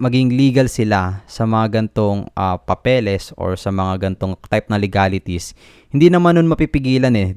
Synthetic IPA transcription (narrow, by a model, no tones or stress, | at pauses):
mɐɡiŋliːɡɐlsɪlasɐmɐŋaɡɐnt̪oŋʔapɐpɛlɛsʔo̞̰ɹsɐmɐŋaɡɐnt̪o̞ŋt̪ajp̚nɐlɪɡaːlɪt̪is | hɪnd̪inɐmanːonmɐpipɪɡiːlɐnɛ